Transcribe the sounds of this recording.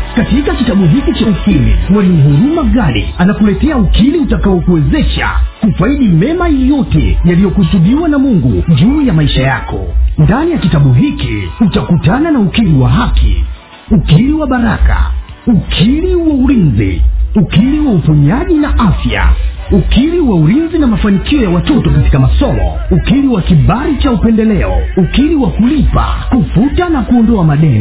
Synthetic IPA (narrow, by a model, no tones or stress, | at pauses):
katikakitaɓuɦikit͡ʃausilḭwaniɦuɾumaɠaɗḭanakulɛtɛaukiliutakaɔkuwɛzɛʃa̰kufaiɗimɛmajjɔtɛ̰jalijɔkusuɓiwanamuŋɡud͡ʒuːjamaiʃajakɔ̰ndanijakitaɓuɦikḭutakutananaukiliwa̰ɦakʰḭ | ukiɾiwaɓaɾaka̰ | ukʰiɾiwauɾinzḭukiliwaupuɲiaʄinaʔafja̰ | ukiɾiwauɾinzinamafanikiɔjawatɔtɔkati̥kamasɔmɔ̰ | ukiɾiwakiɓaɾit͡ʃaupɛndɛlɛɔ̰ukiɾiwakulipa̰kufutanakuɔndɔamaɗɛn